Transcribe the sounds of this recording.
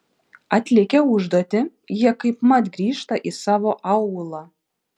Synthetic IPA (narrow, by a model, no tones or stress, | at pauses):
ɑt̪ʲlʲekʲɛuʒd̪ot̪ʲɪ | jiɛkɐɪpmɑt̪ɡɾʲiːʃt̪ɑʔisɑːʋoʔɑwulˠɑ